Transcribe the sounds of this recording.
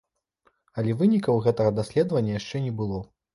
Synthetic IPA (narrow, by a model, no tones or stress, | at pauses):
ɐlʲɛvɨnʲikɐwɣɛt̪ɐɣɐd̪asʲlʲɛd̪ɐvɐnʲːɐjaʂt͡ʂɛnʲɛbɨlˠɔ